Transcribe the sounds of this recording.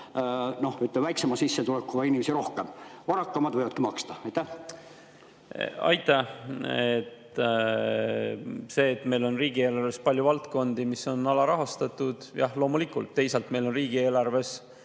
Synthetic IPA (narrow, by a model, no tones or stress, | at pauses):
no̞hyt̪lemvæjksemɑsisːet̪ulekːˑuɡɑinimesiɾo̞hkemɑɾɑkːˑɑmɑd̪vɤjvɑt̪kimɑkst̪ɑɑjt̪ːæh | ɑ̰jt̪ːˑɑet̪ | se̞ːt̪ːme̞jlo̞nriːɡ̥ieːlɑrvespɑlʲjuvɑlt̪ko̞nd̪̥imiso̞nɑlɑɾɑɦɑst̪ɑt̪ːˑud̪̥jɑlo̞ːmulikːˑult̪ːe̞jselt̪me̞jlo̞nriːɡ̥ie̞ːlɑrve̞s